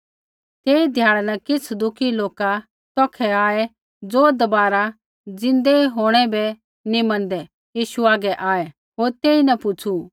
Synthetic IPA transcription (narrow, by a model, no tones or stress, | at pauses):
t̪eːid̪ʱjaːɭanɐkɪt͡sʰd̪ʊkʰiloːka | t̪ɔːkʰɛaːɛ | d͡zoːd̪ɐbaːɾa | d͡zɪ̃nd̪eɦoːɽ̃ɛbɛ | nimɐ̃nd̪ɛ | jiːʃuaːɡɛʔaːɛ | ɦoːɾt̪eːinɐpʊt͡sʰu